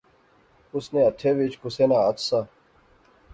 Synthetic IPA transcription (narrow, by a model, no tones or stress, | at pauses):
ʊsneːɐt̪ʰeːʋit͡ʃkʊseːnaːət̪saː